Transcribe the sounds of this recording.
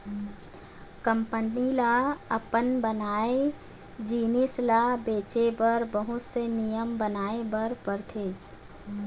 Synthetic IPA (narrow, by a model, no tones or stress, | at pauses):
kəmpənilaɐpənbənaːe | d͡ʒiːnɪslabeːt͡ʃebəɾbəɦʊt̪senijəmbənaːebəɾpəɾt̪ʰeː